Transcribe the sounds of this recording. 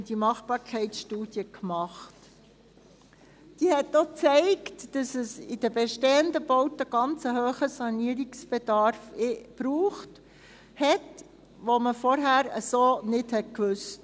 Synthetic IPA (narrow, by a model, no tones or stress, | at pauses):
dimɑχb̥ɑːɾkʰɛɪtsʃtuːd̥jəkmɑχt | d̥iːhɛtːɔt͡sɛɪktd̥ɑsəsɪd̥əbɛʃteːəndəbowtəɡ̥ɑnt͡səɦøːχəsɑniəɾiksb̥ɛdɑɾfb̥ɾuːχt | hɛt | ʋoməfɔɾɦæːɾəsoːnɪthɛtkʋʉst